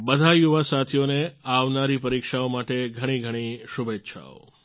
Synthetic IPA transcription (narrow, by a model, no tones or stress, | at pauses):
bəd̪ʱajuʋasat̪ʰijoneaʋnaɾipəɾikʃaomaʈeɡʱəɽ̃iɡʱəɽ̃iʃubʱetːʃʰa̰o̰